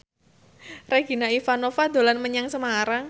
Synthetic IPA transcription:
reɡ̥i̤naifanofad̪o̤lanməɲaŋsəmaɾaŋ

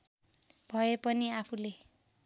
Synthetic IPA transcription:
b̥ʱʌepʌniapʰule

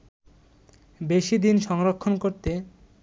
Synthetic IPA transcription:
beʃid̪inʃɔŋɾokʰːonkoɾt̪e

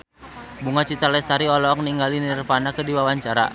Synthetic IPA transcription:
buŋat͡ʃit̪alɛsaɾiɔlɔɔk̚niŋɡalinirpanakədiwawaɲt͡ʃaɾa̰

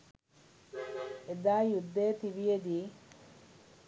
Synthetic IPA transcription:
ed̪aːjud̪ːeːt̪iʋijed̪iː

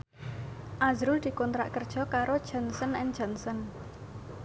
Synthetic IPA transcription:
ʔazɾʊld̪̥i̤kɔnt̪ɾa̰ʔkərd̥ʒ̥ɔ̤kaɾod̥ʒ̥ɔ̤nsənɛnd̥ʒ̥ɔnsən

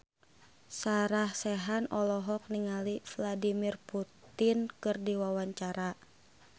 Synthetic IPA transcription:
saɾahsɛɦanɔlɔɦɔk̚niŋalifladimirput̪inkɨrdiwawaɲt͡ʃaɾa

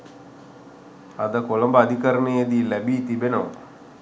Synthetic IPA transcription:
ad̪əkoləmbəad̪ʱikəɾənejəd̪iːlæbiːt̪ibenəʋə̰

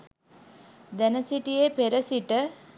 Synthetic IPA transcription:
d̪ænəsiʈijepeɾəsiʈə

